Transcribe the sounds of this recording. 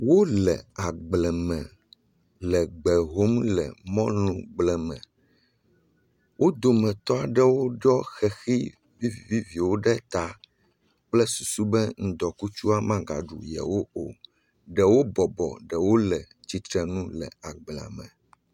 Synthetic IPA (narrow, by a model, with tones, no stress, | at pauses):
wo˦lɛ˨a˨ɡ͡blɛ˨mɛ̃˨ | lɛ˨ɡ͡bɛ˨ɦo˦mlɛ̰˨mɔ̃˦lũ˨ɡ͡blɛ˨mɛ̰̃˨ | wʔo˦d̪o˨mɛ̃˨t̪ɔ˦a˨ɖɛ˦wo˦ɖɔ˦xɛ˨xi˦ | vi˦vvi˦vi˨wo˦ɖɛ˦t̪a˨ | k͡plɛ˦su˨su˦bɛ˦ŋ̩̃˦d̪ɔ˨ku˦t͡ʃu˦a˦mã˦ɡa̰˨ɖṵ˨jɛ̰˨wo˦o˨ | ɖɛ˨wo˦bɔ˨bɔ̰˨ɖɛ˨wo˦lɛ˨ | t͡ɕi˦t̪ɾɛ˨nũ˦lɛ̰˨a˨ɡ͡blɛ̃˨a̰˨mɛ̰̃˨